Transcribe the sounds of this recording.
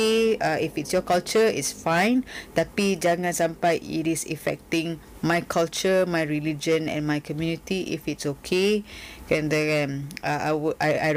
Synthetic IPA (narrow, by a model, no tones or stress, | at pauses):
eaifitsjɔkalt͡ʃəḭtsfãɪ̃nt̪apid͡ʒaŋãnsãmpajḭtisḭfɛ̰k̚tɪ̃ŋ | majkʰalt͡ʃəmajɹilid͡ʒə̃nɛ̰̃nmajkɔmjunitiʔḭfitsokʰekɛ̃ndɛɛ̃naawa̰a̰j